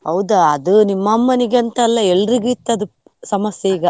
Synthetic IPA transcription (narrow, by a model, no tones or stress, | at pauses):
hɐwd̪ɐɐd̪unimːɐmːɐniɡeɐnt̪ɐːlːɐɛlːɾiɡuit̪ːɐd̪u | sɐmɐsjɐiɡɐ